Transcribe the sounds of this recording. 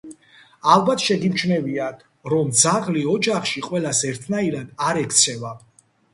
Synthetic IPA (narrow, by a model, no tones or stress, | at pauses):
alˠbat̪ʰʃɛɡimt͡ʃʰnɛviad̪ | ɾɔmd̪zaʁliɔd͡ʒaχʃiqʼwɛlasɛɾt̪ʰnaiɾad̪aɾɛkʰt̪sʰɛva